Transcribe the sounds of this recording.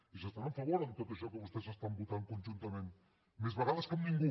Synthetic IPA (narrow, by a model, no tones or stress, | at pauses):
isast̪anaɱfaβoɾamt̪ok̪eʃokəβust̪es̬ast̪ambut̪aŋkonʲt͡ʃunt̪amen | mezβaɾaβaskamːiŋɡu